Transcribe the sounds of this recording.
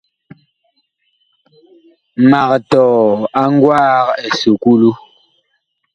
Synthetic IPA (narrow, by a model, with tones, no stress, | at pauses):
ma˨k̚tɔː˨a˦ŋ̩˦ɡwaː˦ke˨su˨ku˦lu˦